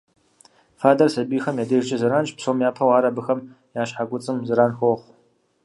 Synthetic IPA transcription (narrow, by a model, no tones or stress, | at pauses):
faːdɐrsɐbiːxɐmjaːdɐʒd͡ʒʼɪzɨɾaːnt͡ʃʼpsoːmjaːpʰɐwaːɾɐbɨxɐm | jaːɕħaɡʷʊt͡sʼɨmzɨɾaːnxoχʷ